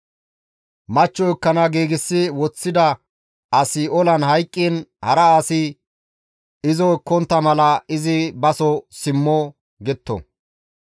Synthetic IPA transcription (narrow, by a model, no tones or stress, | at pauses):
mɐt͡ʃːɔɪkːɐnɐɡiːɡɪsːɪwɔt͡sːɪd̪ɐ | ɐsɪɔlɐnɦɐjkʼːiːnhɐɾɐaːsɪ | ɪzɔkːɔnt̪ːɐmɐlɐɪzɪbɐsɔsɪmːɔ | ɡɛt̪ːɔ̰